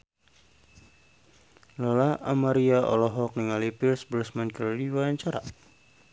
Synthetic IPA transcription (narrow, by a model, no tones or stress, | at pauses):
lɔlaa̰maɾiaʔɔ̰lɔɦɔk̚nəŋalipilsbərsmankəldiwawaɲt͡ʃaɾa̰